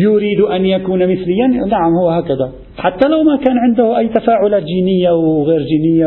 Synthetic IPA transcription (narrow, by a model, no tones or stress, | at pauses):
jʊɾiːd̪ʔanjakuːnmɪθlɪjːannaʕɪmhʊwːhaːkaða | ħat̪ːalawmakaːnʕɪnd̪ʊhʊʔajːt̪afaːʕʊlaːt̪d͡ʒiːnɪjːawɣeːɾd͡ʒiːnɪjːa